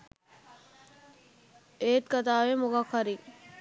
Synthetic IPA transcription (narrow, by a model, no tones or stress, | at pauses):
eːt̪kat̪aːʋemoɡakʰːɐɾi